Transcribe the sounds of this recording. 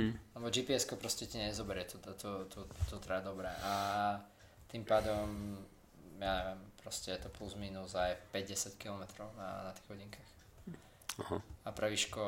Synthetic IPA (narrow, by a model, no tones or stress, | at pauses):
lɛbɔd͡ʒipiɛskɔpɾɔscɛciɲɛzɔbɛɾɪɛt̪ɔt̪ɔt̪ut̪ut̪ɾad̪ɔbɾɛʔa | t̪impaːd̪ɔm | jaɲɛʋɪɛmpɾɔscɛjɛt̪ɔpluzmiːnuzajfpɛɟɟɛsackilɔmɛt̪ɾɔʊna̰nat̪i̥ɣɦɔɟiŋkax | ahaapɾɛʋiʃkɔ